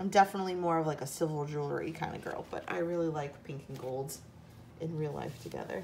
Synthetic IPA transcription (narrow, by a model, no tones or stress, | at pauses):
ãɪ̃mdɛfənətˡlimɔɹʌvlaɪkɨsɪvl̩ˠd͡ʒulˠə̰˞ḭkʰãɪ̃ndɨ̰ɡɜ̰˞lˠb̥ʌ̰ɾʔa̰ɪɹɪlˠilaɪkpʰɪ̃ŋkʰɪ̃ŋɡoʊlˠdz̥ | ʔɨ̃nɹilˠla̰ɪftʰɨɡɛ̰ðə̰˞